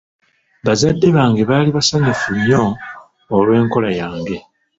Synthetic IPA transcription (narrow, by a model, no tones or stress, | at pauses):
βazadːe̞βaːŋɡe̞βaːliβasaɲufuɲːo̞ː | lwe̞ːŋko̞lajaːŋɡe̞